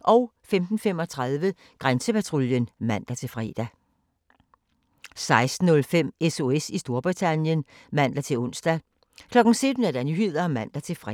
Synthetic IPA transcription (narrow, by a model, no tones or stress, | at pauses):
ʔɒ̽ʊfemd̥n̩fem̰ɒ̽t͡sʰʁaðˠʋə | ɡ̥ʁansəpæt͡sʰʁuljənmæn̰d̥æt͡sʰe̝lfʁɛ̰ːd̥æ | sɑ̈ɪsd̥n̩ːɔ̽lfem̰eso̝esisd̥o̝ɐb̥ʁit͡sʰænjən | mæn̰d̥æt͡sʰe̝lɔ̽n̰sd̥æ | kʰlɒ̽ɡ̥n̩sød̥n̩æɐd̥æɐnyhið̰ˠɐmæn̰d̥æt͡sʰe̝lfʁ